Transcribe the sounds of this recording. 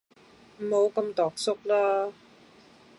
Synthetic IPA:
m̩˨˩ho˨˧wkɐ˧mt̪ɔː˨˩k̚sʊ˥k̚laː˥

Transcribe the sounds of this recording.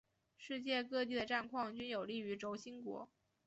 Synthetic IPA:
ʂɻ̩˥˧t͡ɕjɛ˥˧kɤ˥˧t̪̬i˥˩d̪ə˩ʈ͡ʂa˥˧nkʰwɑ˥˩ŋt͡ɕy˥njo˨˩ʊli˥˩y˧˥ʈ͡ʂo˧˥ʊɕi˥nkwɔ̰˧˥

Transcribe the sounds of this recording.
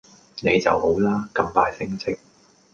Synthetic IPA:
ne˨˧jt͡sɐ˨who˨˥wlaː˥kɐ˧mpaː˧jsɪ˥ŋt͡sʰɪ˥k̚

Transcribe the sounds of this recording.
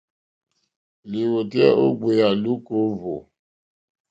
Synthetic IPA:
li˨wo˨tɛ̰˦o˦ɡ͡be˨ja˨lu˦ko˦vo̰˨

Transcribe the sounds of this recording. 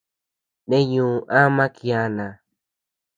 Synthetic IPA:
nẽ˦jũː˨ʔa˦mã˦ki˨˧a˧nã˨

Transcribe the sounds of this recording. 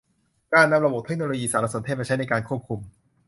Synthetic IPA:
kaː˧˥˩nːa˧mɾa˧bo˨˩t̪̚ʰe˥k̚noː˧loː˧jiː˧saː˩˦ɾa˧˥soː˨˩˦t̪ʰe˥˩a˧t͡ɕʰa˦˥jna˧jkaː˧nkʰu˥˩əp̚kʰu˧m

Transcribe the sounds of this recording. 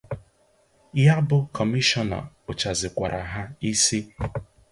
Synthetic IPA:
ja˦bʊ˦kʰɔ˨mi˦ʃɔ˦na̰˨ | ʊ˨t͡ʃa˨zɪ˨kʷa˨ɾʔa˨ɦa˦i˦si˦

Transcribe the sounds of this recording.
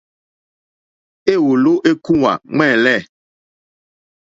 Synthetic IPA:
e˦˨wo˨lo˦ʔe˦ku˦wa̰˨ŋ͡mɛ̃˦˨lɛ˦˨

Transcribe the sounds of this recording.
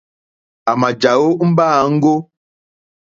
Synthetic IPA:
a˨ma˨d͡ʒa˨wo˦m̩˦baː˦˨˦ŋ̩˦ɡo˦

